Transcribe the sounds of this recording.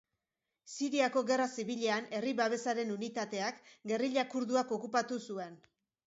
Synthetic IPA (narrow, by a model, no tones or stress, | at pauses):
siɾiako̞ɣe̞rasiβiʎe̞ane̞riβaβ̞e̞saɾe̞nunit̪at̪e̞akɡe̞riʎakuɾðuako̞kupat̪usue̞n